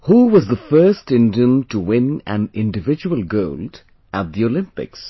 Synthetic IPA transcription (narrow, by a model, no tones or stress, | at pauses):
huwʌzðəfɜːstɪ̃ndiə̃mtəwɪ̃næ̰̃nɪ̃nɖɨvɪd͡ʒuəlɡoʊld | ʔæt̪̚d̪iolɪ̃mpɪ̰ks